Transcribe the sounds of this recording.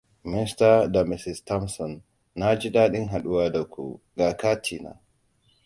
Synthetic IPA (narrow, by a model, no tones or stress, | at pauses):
mistadamisistɔmsɔnː | ad͡ʒiɗaɗinɦaɗuwadakʰṵ | ɡakatʰina̰